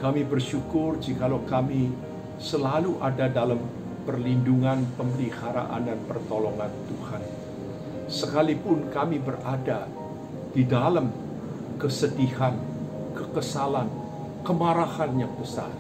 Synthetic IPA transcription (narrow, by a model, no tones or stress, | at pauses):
kamibərʃukʊrd͡ʒikalawkami | səlaluʔadadalam | pərlinduŋanpəmbəlihaɾa̰ʔa̰ndanpərt̪olɔŋant̪uhan | səkalipʊnkamibərada | d̥idalam | kəsədihan | kəkəsalan | kəmaɾahanjaŋbəsa̰